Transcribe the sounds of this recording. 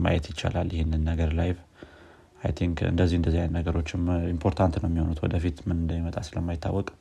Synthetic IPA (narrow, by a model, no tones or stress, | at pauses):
ma̰jɛt̪jɪt͡ʃːa̰lalːjɪhenːɨnːəɡəɾlajv | a̰jt̪ʰiŋkɨ̰nd̪əzːihɨnd̪əzːijanːəɡəɾo̞t͡ʃːɪmimpʰo̞ɾt̪ʰant̪nəwjɛmːiho̞nut̪wɔ̰d̪əfit̪mɨnɨnd̪əmimət̪ʼasɨləmːajɪt̪ʰːa̰wːɔkʼ